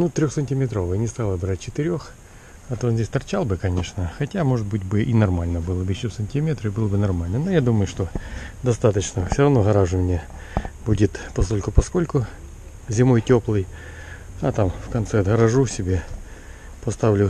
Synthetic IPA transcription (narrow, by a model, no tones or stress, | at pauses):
nut̪ɾʲoxsənʲtʲɪmʲɪt̪ɾo̞vɨjnʲɪst̪alˠəbɾatʲt͡ɕɪt̪ɪɾʲo̞x | ɐt̪onzʲesʲt̪ɐrt͡ɕalˠbɨkɐnʲe̞ʂnəxɐtʲamo̞ʐɨt̪̚bɨtʲbɨʔinɐrmalʲnəbɨlˠəbɨɪɕosɐnʲtʲimʲet̪ɾɨbɨlˠəbɨnɐrmalʲnənojad̪uməjʊʂt̪od̪ɐst̪at̪ət͡ɕnəfsʲoɾɐvno̞ɣɐɾaʐɨmʲnʲe | budʲɪt̪pɐsko̞lʲkʊpɐsko̞lʲkʊ | zʲɪmo̞jtʲo̞plˠɨj | ɐt̪amfkɐnt̪sɛɐd̪ɣəɾɐʐusʲɪbʲe̞ | pɐst̪avlʲʊ